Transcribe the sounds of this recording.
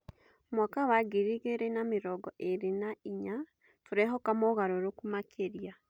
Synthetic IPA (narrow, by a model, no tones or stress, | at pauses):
mwakawaɡiɾiɣeɾenameɾɔɡɔʔeɾenaiɲa | toɾɛɦɔkamɔɣaɾoɾokumakʰeɾja